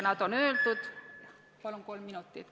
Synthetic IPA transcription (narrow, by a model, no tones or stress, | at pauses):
nɑt̪onøːlt̪ut̪ | pɑlomkolmminut̪ːit̪